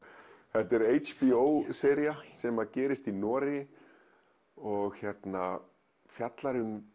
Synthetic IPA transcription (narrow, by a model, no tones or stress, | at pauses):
θɛht̪ɛɾejt͡ʃpiowsɛːɾiasɛmacɛːɾɪst̪inɔːɾɪ | ɔɣçjɛt̪na | fjat̪laɾʏm